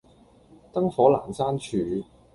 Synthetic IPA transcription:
t̪ɐ˥ŋfɔː˨˥laː˨˩nsaː˥nt͡ʃʰyː˨˧

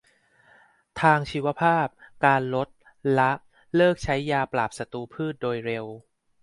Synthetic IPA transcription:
t̪ʰaː˧ŋt͡ɕʰiː˧˥wa˧˥pʰaː˥˩p̚kaː˧nlo˦˥t̪̚ | la˦˥ʔ | lɤː˥˩k̚t͡ɕʰa˦˥jːaː˧plaː˨˩p̚sa˧t̪uː˧pʰɯː˥˩t̪̚doː˧jɾe˧w

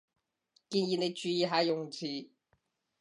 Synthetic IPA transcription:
ki˧nji˧ne˧t͡ʃy˧˥ji˧˩ɦa˧˥jjʊ˨ŋt͡ɕʰiː˨˩

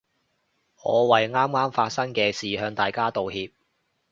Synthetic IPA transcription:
ŋɔ̰ː˨˧wɐ˨jŋaː˥mŋaː˥mfaː˧t̚sɐ˥ŋkɛː˧siː˨ɦœː˨˧ŋt̪aː˨˩jkaː˥t̪o˨whiː˧p̚

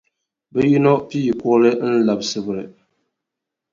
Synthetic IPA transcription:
bɛ˦ji˦nɔ˦pi˦ji˨ku˦lɨ˦n̩˦la˨bsɨ˦bɨ˨ɾɨ˨

